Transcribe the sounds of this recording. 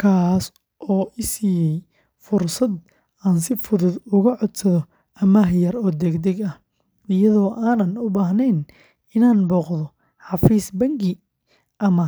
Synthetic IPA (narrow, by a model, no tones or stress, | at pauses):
kʰaːs | ʔɔːʔɪsiːjɛj | fʊrsɐd̪ | aːnsɪfʊðʊd̪ʊɣɐʕɔd̪sɐðɔ | ʔɐmɐɦjɐrɔːd̪ɛɡd̪ɛɡɐh | ɪjɐðɔːʔaːnɐnʊbaːɦnɛːn | ɪnaːnbɔːqðɔ | ħɑfiːsbɐŋɡɪ | ʔɐmɐ